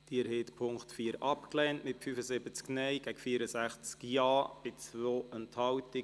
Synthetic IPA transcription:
d̥iəɾheːtpʰʊŋktfiːəɾɑpklɛntmɪtfyfəzɪbət͡sknɛjɡ̥æɡfiːəɾəsæχt͡skjɑːb̥ɪt͡svoːʔənthɑwtɪ

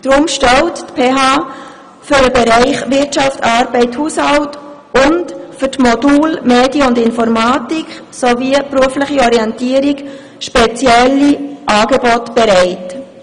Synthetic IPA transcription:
d̥ɾʊmʃtɛlttpʰeːɦɑː | fʏɾəbɛɾæɪχʋɪtt͡ʃɑftɑːɾbɛɪthuːshɑlt | ʔʊntfʏtmɔduːlmeːdjəʊndɪnfɔɾmɑːtik | sovipɾuəflɪχiɔɾiɛntiəɾik | ʃpɛt͡sjɛlːiʔɑːɡebɔtb̥ɛɾɛɪt

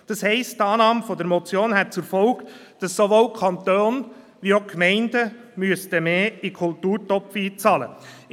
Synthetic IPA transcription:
d̥ɑshɛɪsttɑːnɑːmfɔdəɾmɔt͡sjoːnhɛt̚t͡suɾfɔʊk | d̥ɑsːoʋoːwkʰɑnt̪oːn | ʋiokmɛɪndəmyəstəmeːikʰultuːɾtɔpfiːt͡sɑːlə̰

